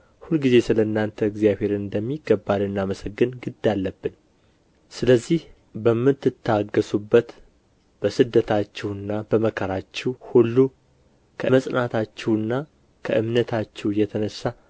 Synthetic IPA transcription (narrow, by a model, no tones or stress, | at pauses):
hulɡize̞sɨləɨnːant̪ʰəɨɡzijaβe̞ɾɨnd̪əmːiɡːəbːalɨnːaməsəɡːɨnɡɨd̪alːəbːɨn | sɨləzːih | bəmːɨt̪ːɨt̪ʰːaɡːəsubːət̪ | b̥əsɨd̪ːət̪ʰat͡ʃːɛwɨnːab̥əməkʰəɾat͡ʃːɛwhulːu | kʰəməsʼnat̪ʰat͡ʃːɛwɨnːa | kʰəʔɨmnət̪ʰat͡ʃːɛwjɛt̪ʰənəsːa